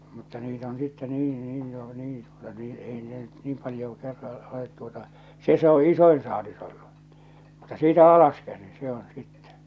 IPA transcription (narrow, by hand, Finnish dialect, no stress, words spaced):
mutːɑ niːt on sitːe niː niː jo niːn tuotɑ niːn ei ne nyt niːm pɑljoː kerːɑ olet tuotɑ se se o isoin sɑːlis olːu mutːɑ siːtæ ɑlɑskæsin se on̞ sitːɛ